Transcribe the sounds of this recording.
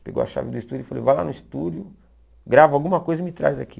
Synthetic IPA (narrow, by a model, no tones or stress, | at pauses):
peɡo̰wa̰ʃa̰vɪd̪ʊist̪ud͡ʒʊifalḛjvala̰nʊist̪ud͡ʒʊ | ɡɾavawɡũmɐkojzɐimɪt̪ɾa̰jzaki